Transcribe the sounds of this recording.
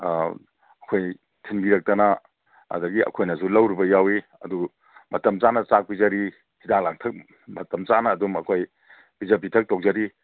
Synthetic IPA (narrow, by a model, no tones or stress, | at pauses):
ɐkʰoj | tʰinbiɾɐk̚tɐnɐ̰ː | dɐɡiɐ̰kʰojnɐsulɐwɾibɐjawi | ɐ̰du | mɐtɐmt͡ʃanɐsak̚pizaɾi | hidaŋlaŋtʰɐk̚ | mɐtɐmt͡ʃanɐːdumɐkʰoj | bizepitʰɐk̚towzaɾi